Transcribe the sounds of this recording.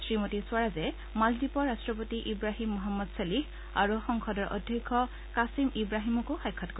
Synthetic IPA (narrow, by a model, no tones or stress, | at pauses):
sɹimotiswaɹazɛ | maldipɔɹastɹɔpotiʔibɹaɦimːɔɦamːɔdsalix | a̰ɹuxɔŋkʰɔdɔɹʔɔ̰dʱjɔkʰːɔ | kasimibɹaɦimɔkoxajkʰːɔtko